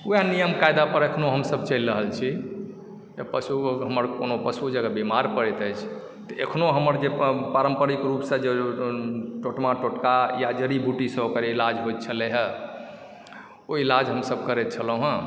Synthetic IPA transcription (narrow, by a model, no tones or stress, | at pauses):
ujanijəmkajd̪apəɾəkʰnoɦəmsəbt͡ʃəlɾəɦəlt͡ʃʰi | təpəsuɦəməɾkonopəsud͡ʒəɡabemaɾpəɾɛt̪əjt͡ʃʰ | t̪ɔʔekʰnoɦəməɾd͡ʒepaɾəmpəɾikɾupsə̃d͡ʒe | ʈoʈmaʈoʈkajad͡ʒəɾibʱuʈisə̃bokəɾilad͡ʒɦojt̪̚t͡ʃʰəleɦə | oilad͡ʒɦəmsəb̚kəɾɛt̪̚t͡ʃʰəlõɦə̃